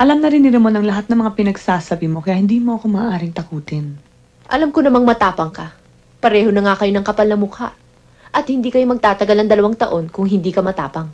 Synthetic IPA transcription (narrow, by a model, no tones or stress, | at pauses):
ʔɐlamnɐɾɪnɪɾɪmonɐŋlɐɦat̪̚nɐŋmɐŋapɪnɐɡsaːsɐbɪmo̞kɐjaːhɪnd̪iːmo̞ʔɐko̞maːʔaːɾɪŋt̪ɐkuːt̪ɪn | ʔɐlamkonɐmaŋmɐt̪aːpɐŋkɐ | pɐɾɛːho̞nɐŋakɐjo̞nɐŋkɐpɐlnɐmʊka̰ʔ | ʔɐt̪̚hɪnd̪iːkɐjomɐɡ̚t̪aːt̪ɐɡalnɐŋd̪ɐlɐwaŋt̪ɐʔo̞nkʊŋɦɪnd̪iːkɐmɐt̪a̰ːpɐŋ